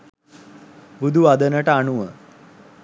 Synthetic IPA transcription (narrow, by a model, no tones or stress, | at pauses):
bud̪ʱuad̪ənəʈaːɳuʋə